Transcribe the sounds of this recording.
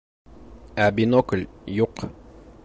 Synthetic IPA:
æbinokəlʲjuq

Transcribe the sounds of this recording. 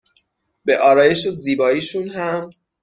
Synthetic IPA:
beʔɒːɾɒːje̞ʃoziːbɒːiːʃunɦæm

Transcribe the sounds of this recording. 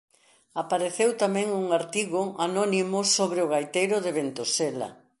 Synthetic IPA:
apaɾeθewt̪amɛ̃ŋuŋaɾt̪iɣʊanɔnimʊsoβɾeʊɣajt̪ejɾʊðɪβent̪osela̰

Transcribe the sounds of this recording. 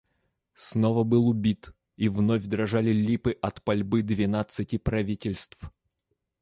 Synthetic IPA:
snovəbɨlˠʊbʲit̪ | ivnovʲd̪ɾɐʐalʲɪlʲipɨʔɐt̪pɐlʲbɨd̪vʲɪnat̪sɨtʲɪpɾɐvʲitʲɪlʲst̪f

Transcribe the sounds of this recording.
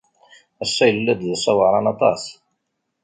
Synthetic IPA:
æsːæjəlːæd̪ðsˤɑwəɾˤɑnɑt̪ˤɑs

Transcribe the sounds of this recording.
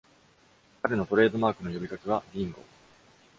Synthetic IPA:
kaɾe̞not̪o̞ɾe̞ːd̪o̞maːkɯ̟no̞jo̞bʲikakeβ̞aɡʲĩŋɡo̞̰

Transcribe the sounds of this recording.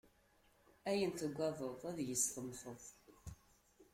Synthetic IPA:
æjənt̪əɡʷːæðˤəðˤæðjəsθəmθəðˤ

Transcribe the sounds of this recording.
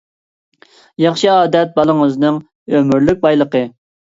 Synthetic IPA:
jɑχʃɨɑːd̪ɛt̪̚bɑlˠəŋəznɨŋ | ømyɾlyk̚ʲbɑjlˠəqə

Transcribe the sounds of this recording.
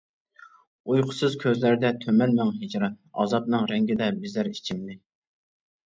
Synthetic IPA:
ujqʰʊ̥sɨzkʲʰøzlæɾd̪ɛt̪ʰømɛnmæŋɦed͡ʒɾɑɑ̰zɑp̚nɨŋɾɛŋɡʲɪd̪ɛbɪzlæɾi̥t͡ʃʰimd̪ɪ

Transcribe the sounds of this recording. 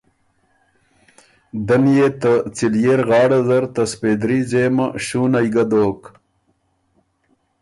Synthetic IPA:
d̪ɐnjet̪ət͡siljeɾɣɑːɽɐzɐɾt̪ɐsped̪ɾizeːmaɕuːnɐjɡɐd̪oːk

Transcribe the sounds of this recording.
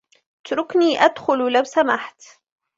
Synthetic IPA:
ʔɪt̪ɾˤʊkniːʔad̪xʊllawsamaħt̪

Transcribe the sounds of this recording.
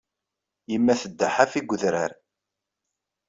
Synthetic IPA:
jəmːæθəd̪ːaħafiɡʷəðɾa̰ɾ

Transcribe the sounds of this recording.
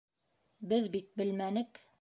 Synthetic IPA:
bɘðbit̪̚bɘlmænɘ̆k

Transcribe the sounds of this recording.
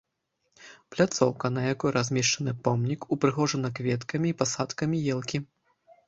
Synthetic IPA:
plʲat̪sɔwkɐnɐjakujɾʔazʲmʲɛʂt͡ʂɐnɨpɔmnʲikupɾɨɣɔʐɨnɐkvʲɛt̪kɐmʲiːpasat̪kɐmʲijɛlˠkʲi

